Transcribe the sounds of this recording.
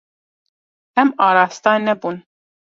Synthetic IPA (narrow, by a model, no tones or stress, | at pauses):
ɛmɑɾaːst̪ɑnɛbun